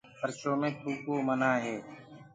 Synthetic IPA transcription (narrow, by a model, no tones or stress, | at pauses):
pəɾt͡ʃoːmẽːkʰuːkoːmənaːɦɛː